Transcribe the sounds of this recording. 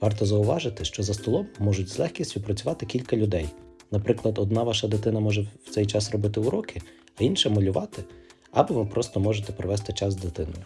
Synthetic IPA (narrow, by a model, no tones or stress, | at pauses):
ʋɑrt̪ɔzɐʊʋɑʒɪt̪ɪʃt͡ʃɔzɐst̪ɔlˠɔmːɔʒʊtʲz̥lˠɛxkʲisʲtʲʊpɾɐt͡sʲʊʋɑt̪ɪkʲilʲkɐlʲʊd̪ɛjnɐpɾɪklˠɐd̪ɔd̪nɑʋɑʃɐd̪ɪt̪ɪnɐmɔʒɛwt̪sɛjt͡ʃɑsrɔbɪt̪ɪuɾɔkɪ | ɐinʃɛmɔlʲʊʋɑt̪ɪ | ɐbɪʋɪpɾɔst̪ɔmɔʒet̪ɛpɾɪʋɛst̪ɪt͡ʃɑsd̪ɪt̪ɪnɔjʊ